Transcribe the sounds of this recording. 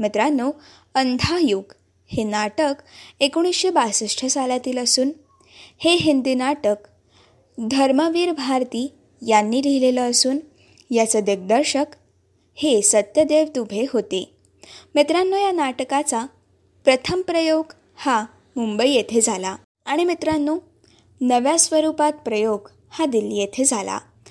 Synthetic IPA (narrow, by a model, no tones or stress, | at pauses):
met̪ɾanːo | ənd̪ʱajuɡ | henaʈəkekoɽ̃isɕebasəʂʈʰəsalat̪iːləsuːn | heɦind̪inaʈək | d̪ʱəɾməʋiːɾbʱaɾt̪iː | janːiːɾiɦleləəsuːn | jat͡səd̪eɡ̚d̪əɾɕək | hesət̪jəd̪eʋd̪ubʱeɦot̪e | mit̪ɾanːojanaʈkat͡sa | pɾət̪ʰəmpɾəjoɡ | ha | mumbəijet̪ʰed͡zʱala | aɽ̃imit̪ɾanːo | nəʋjasʋəɾupat̪̚pɾəjoɡ | had̪ilːiːjet̪ʰed͡zʱala̰